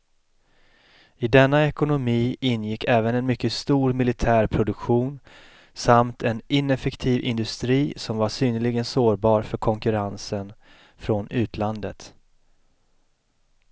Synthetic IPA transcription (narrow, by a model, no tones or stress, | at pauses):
ɪd̪ɛnːaɛkʊnʊmiːʔɪnːjɪkːɛːvənɛnmʏkːəst̪uːɾmɪlɪt̪ʰæːɾpʰɾʊd̪ɵkɧuːn | samt̪ʰɛnɪnɛfɛkt̪ʰiːvɪ̰nd̪ɵst̪ɾiːsɔmvaʂyːnəlɪɡənsoːɾbɑːɾfœɾkʰɔŋkɵɾansən | fɾɔnʉ̟ːt̪ʰland̪ət̪